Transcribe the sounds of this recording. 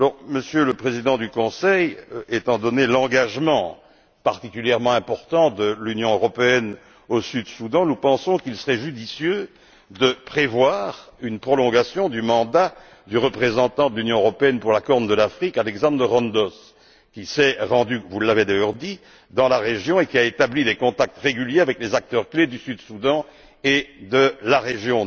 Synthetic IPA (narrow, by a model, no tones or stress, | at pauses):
alɔʁməsjøləpχezid̪ɑ̃d̪ykɔ̃sɛjet̪ɑ̃d̪ɔnelɑ̃ɡaʒmɑ̃ | paʁt̪ikʲyljɛʁmɑ̃ɛ̃pɔʁt̪ɑ̃d̪əlynjɔ̃øʁɔpeɛn | osyd̪sud̪ɑ̃nupɑ̃sɔ̃kilsəʁɛʒyd̪isjø | d̪əpχevwaːʁynpχɔlɔ̃ɡasjɔ̃d̪ymɑ̃d̪a | d̪yʁəpχezɑ̃t̪ɑ̃d̪əlynjɔ̃øʁɔpeɛnpuʁlakɔʁnd̪əlafχikalɛɡzɑ̃d̪ʁd̪əʁɑ̃nd̪ɔs | kʲisɛʁɑ̃d̪yvulːaved̪ajœʁd̪i | d̪ɑ̃laʁeʒjɔ̃ekʲiaet̪ablid̪ekɔ̃t̪ak̚t̪ʁeɡyljeavɛklezak̚t̪œʁkled̪ysyd̪sud̪ɑ̃ | ed̪əlaʁeʒjɔ̃